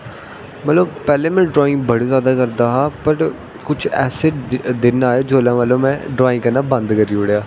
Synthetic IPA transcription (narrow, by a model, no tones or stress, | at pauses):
mət̪ləbpɛːlẽːmɛ̃ːɖɾoːɪ̃ŋɡ̚bəɽiːzjaːd̪aːkəɾd̪aːɦaːpəɾ | kʊt͡ʃʰɛ̰ːsɪʈd̪ɪnaːjaːd͡ʒoːlãːmət̪ləbmɛ̃ːɖɾaːɪ̃ŋkəɾnaːbənd̪kəɾiːʊɽjaː